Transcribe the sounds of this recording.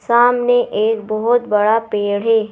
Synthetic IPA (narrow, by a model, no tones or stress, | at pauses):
saːmneʔeːkbɔɦʊt̪bɐɽapeːɽ̤ɦeː